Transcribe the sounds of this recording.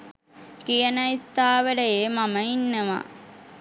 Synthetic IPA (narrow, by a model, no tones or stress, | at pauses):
kijənəist̪aːʋəɖəjeːmaməinːəʋa̰